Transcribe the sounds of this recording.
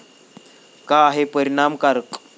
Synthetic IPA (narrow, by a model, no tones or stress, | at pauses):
kaːɦepəɾiɳ̃amkaɾk